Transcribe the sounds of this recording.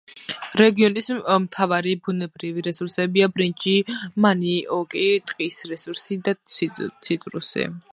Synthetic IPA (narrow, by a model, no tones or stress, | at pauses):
ɾɛɡiɔnismt̪ʰavaɾibunɛbɾiviɾɛsuɾsɛbiabɾind͡ʒimaniɔkʼit̪ʼqʼisɾɛsuɾsid̪asʰt̪sʰit̪ʼɾṵsḭ